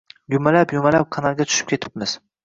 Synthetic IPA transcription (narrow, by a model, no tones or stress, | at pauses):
jʊmalapjʊmalap̚qʰɑnalˠɡʲat̪ʰʊ̥ʃɪ̥p̚kʲe̞t̪ʰɪ̥p̚mɪz̥